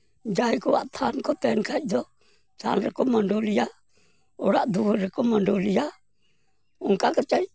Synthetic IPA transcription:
d͡ʒajkɔwaʔt̪ʰankɔt̪ɛnkac̚d̪ɔ | t͡ʃʰa̰nɾɛkɔmaɳɖɔlijaʔ | ɔɽaʔd̪uɾɛkɔmɔnɖɔlija | ɔŋkakət͡ʃaj

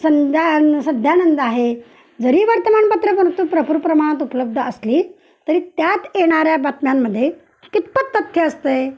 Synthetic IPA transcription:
sənasəd̪ʱjanənd̪əaɦe | d͡zəɾiːʋəɾt̪əmaɳpət̪ːɾəp̬əɾunt̪upɾəpuɾpɾəmaɽ̃ət̪upləb̚d̪ʱəʔəsliː | t̪əɾiːt̪jat̪eɽ̃aɾjabat̪mjamːəd̪ʱːje | kit̪pət̪ːət̪ʰːjəəst̪əj

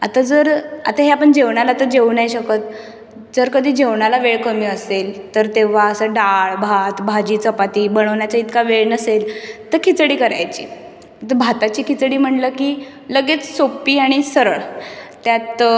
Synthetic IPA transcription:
a̰t̪ad͡zəɾa̰t̪aɦeapəɳd͡ʑeʋɳalat̪əd͡ʑeʋnajɕəkət̪ | d͡zəɾkəd̪ʱiːd͡ʑeʋɳalaʋeɭkəmiəselt̪əɾt̪eʋ̤aəsəɖaɭbʱat̪bʱad͡ʑiːt͡səpat̪iːbəɳ̃əʋɳjat͡sait̪kaʋeɭnəselt̪əɾkʰit͡sɽiːkəɾa̰jt͡ɕḭː | t̪əbʱat̪at͡ɕiːkʰit͡sɽiːm̤əɳləkiː | ləɡet͡ssopiːaɽ̃isəɾəɭt̪jat̪

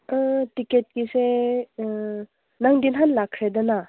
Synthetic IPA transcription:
tiket̚kise | naŋdinɦanlakʰɾed̪ana

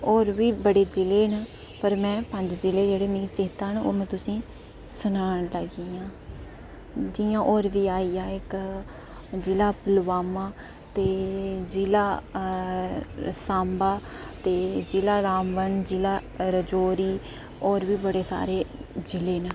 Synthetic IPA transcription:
oːɾʋiːbəɽeːd͡ʒɪleːnː | pəɾmɛ̃ːpəɲd͡ʒd͡ʒɪleːd͡ʒeːɽeːmɪ̃ːt͡ʃeːt̪aːno̰ːmɛ̃ːt̪ʊsĩː | sənaːɳləɡiãː | d͡ʒɪjãːʔoːɾʋiːaːijaːɪk | d͡ʒɪlaːpəlʋaːmãː | t̪eːd͡ʒɪlaː | saːmbaː | t̪eːd͡ʒɪlaːɾaːmʋənd͡ʒɪlaːɾəd͡ʒoːɾiː | oːɾʋiːbəɽeːsa̰ːɾeːd͡ʒɪleːna

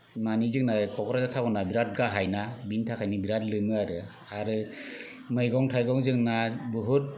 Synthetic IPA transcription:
manizɯŋnakʰɔkɾazatʰaɡɔnabiɾat̚ɡaɦajnabintʰakʰajnibiɾat̚lɯmɯaɾɯ | aɾɯ | mɯjɡɔŋtʰajɡɔŋzɯŋnabɯɦut̚

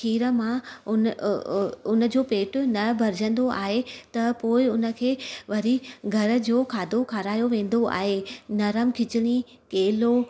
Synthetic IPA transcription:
ʃʰiːɾə̆mãʊn | ʊnə̆d͡ʑoːpeːʈnɐbʱɐɾɪd͡ʑə̃n̆d̪oʔa̰ːɦet̪ɐpoːɪʊnə̆kʰeːʋɐɾiɡʱɐɾə̆d͡ʑoːkʰaːd̪ʱokʰaːɾaːjoʋẽːn̆d̪oʔa̰ːɦenɐɾəmkʰɪt͡ɕɪɽ̃i | keːlo

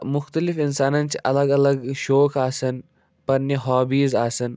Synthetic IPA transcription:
mʊxt̪ɐlifinsaːnɐnt͡ʃʰiʔɐlɐɡɐlɐɡʃoːkʰaːsɐn | pɐɾniɦaːbiːzaːsɐn

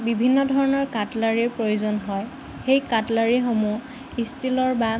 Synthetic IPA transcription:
bibʱinːɔdʱɔɹɔnɔɹkatlaɹiɹpɹojuzɔnɦɔj | xejkatlaɹixomu | istʰilɔɹba

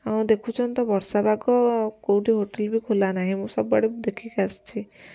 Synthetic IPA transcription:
aw̃d̪ekʰut͡ʃʰɔnt̪ɔbɔɾsabaɡɔkowʈiɦoʈelbikʰolanaɦĩmũsɔbɔa̰ɽed̪ekʰikast͡ʃʰi

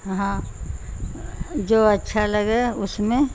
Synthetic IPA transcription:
ɦã | d͡ʒoətːʃʰaləɡeʊsmẽ

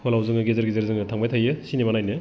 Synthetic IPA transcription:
hʰolawzɯŋɯɡezɐɾɡezɐɾzɯŋɯtʰaŋmbajtʰajɯsinimanajnɯ

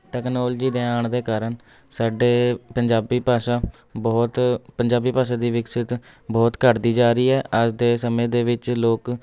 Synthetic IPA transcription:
ʈɛːknɔːld͡ʒiːd̪eːaːɳd̪eːkaːɾəɳ | saːɖeːpəɲd͡ʒaːbiːpaːʃãː | bɔːt̪pəɲd͡ʒaːbiːpaːʃãːd̪iːʋɪksɪt̪ | bɔːt̪kəʈd̪iːd͡ʒaːɾiːɛːʔəd͡ʒd̪eːsəmẽːd̪eːʋɪt͡ʃloːk

